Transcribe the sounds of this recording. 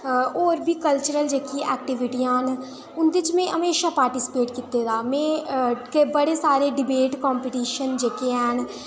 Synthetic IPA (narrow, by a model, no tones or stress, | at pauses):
oːɾbʱiːkəlt͡ʃəɾəld͡ʒeːkiɛ̰ːk̚ʈɪʋɪʈijãːɦn | ʊnd̪ɪt͡ʃmɛ̃ːʔəmeːʃaːpaːɾʈisɪ̥peːʈkit̪ːeːd̪aːmɛ̃ːkebəɽeːsaːɾeːɖɪbeːʈkɔːmpiʈiːʃənd͡ʒeːkeɛːn